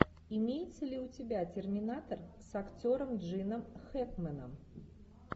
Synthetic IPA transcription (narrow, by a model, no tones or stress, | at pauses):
imʲejɪt̪səlʲɪutʲɪbʲatʲɪrmʲɪnat̪ərsɐkt͡sʲoɾəmʐɨnəmxɛkmənəm